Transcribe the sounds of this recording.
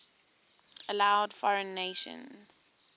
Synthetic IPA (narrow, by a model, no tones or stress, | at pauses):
əlaʊdfɔɹə̃nːeɪʃə̰̃nz̥